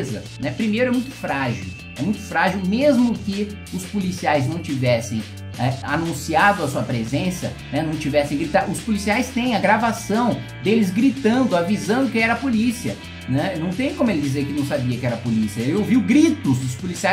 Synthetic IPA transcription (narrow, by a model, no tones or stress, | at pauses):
zɐ | nɛpɾimejɾʊɛmũj̃t̪ʊ̥fɾaʒḭw | ɛmũj̃t̪ʊ̥fɾaʒiwmezmʊkɪ | ʊspʊlisiajznɐ̃w̃t͡ʃivɛsḛ̃j̃ | ɛanũsiad̪ʊɐsuɐpɾezẽsɐ̰ | nɛnɐ̃w̃t͡ʃivɛsẽj̃ɡɾit̪aʊspʊlisiajst̪ẽj̃ɐɡɾavasɐ̃w̃ | d̪elɪzɡɾit̪ɐ̃nd̪ʊavizɐ̃nd̪ʊkẽj̃ɛɾɐpolisiɐ | nɛnɐ̃w̃t̪ẽj̃kõmʊelɪd͡ʒizeɾkɪnɐ̃w̃sabiɐkɪɛɾɐpolisiɐelɪowviwɡɾit̪ʊzʊspʊlisia